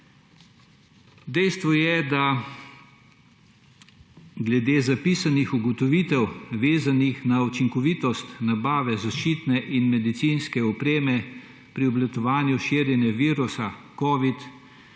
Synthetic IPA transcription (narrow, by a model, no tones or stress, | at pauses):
d̪ɛjst̪ʋɔjɛd̪a | ɡlɛd̪eːzapiːsanixuɡɔt̪ɔʋiːt̪ɛwʋeːzanixnaut͡ʃiŋkɔʋiːt̪ɔst̪nabaːʋɛzaʃt͡ʃiːt̪nɛʔinmɛd̪it̪siːnskɛɔpɾeːmɛ | pɾiɔblat̪ɔʋaːnjuʃiːɾjɛnjɛʋiːɾusakɔːʋit̪